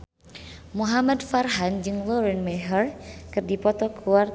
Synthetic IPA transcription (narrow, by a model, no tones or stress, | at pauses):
muɦamadfarɦand͡ʒɨŋlɔɾɛnmɛɦərkɨrdipɔt̪ɔkʰuwar